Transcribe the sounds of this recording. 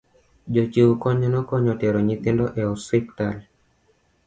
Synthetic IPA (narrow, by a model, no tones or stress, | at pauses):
d͡ʒot͡ʃiukɔɲɔnɔkɔɲɔtɛɾɔɲit̪ɪndɔʔɛɔsiptal